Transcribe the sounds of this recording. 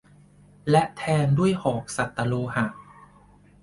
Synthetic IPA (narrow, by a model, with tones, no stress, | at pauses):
lɛ˦˥ʔt̪ʰɛː˧ndu˥˩əjhɔː˩˦k̚sa˨˩t̪ːa˧loː˧ha˨˩ʔ